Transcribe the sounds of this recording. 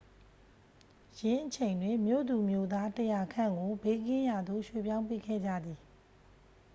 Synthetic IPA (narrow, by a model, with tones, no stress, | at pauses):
jɪ̃˦ʔət͡ɕʰẽ˨ɪ̃ndwɪ̃˦˨mjo̰˦˨d̪u˨mjo˦˨d̪a˦təja˨kʰã̰˦˨ŋɡo˨be˦kɪ̃˦ja˨d̪o̰˦˨ʃwe˦˨pjã˦ʊ̃mpḛ˦˨ɡɛ̰˦˨d͡ʑä̰˦˨d̪ði˨